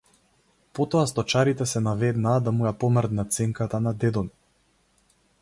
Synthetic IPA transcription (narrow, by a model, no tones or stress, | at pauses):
pɔt̪ɔast̪ɔt͡ʃaɾit̪ɛsɛnavɛd̪naːd̪amujapɔməɾd̪nat̪sɛŋkat̪anad̪ɛd̪ɔni